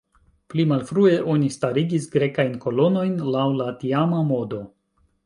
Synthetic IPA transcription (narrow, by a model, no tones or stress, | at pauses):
plimalfɾue̞ʔo̞nistaɾiɡisɡɾe̞kajnko̞lo̞no̞jnlawlatiamamo̞do̞